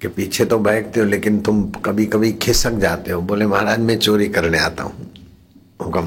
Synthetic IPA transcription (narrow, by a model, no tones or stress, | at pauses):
kepiːt͡ʃʰet̪obʱɛːk̚t̪eɦoleːkɪnt̪ʊmkɐbʱikɐbʱikʰɪsək̚d͡ʒaːt̪eɦoboːlemɐɦaɾaːd͡ʒmẽt͡ʃoːɾikɐɾnea̰ːt̪a̰ɦṵ̃ː | õkɐ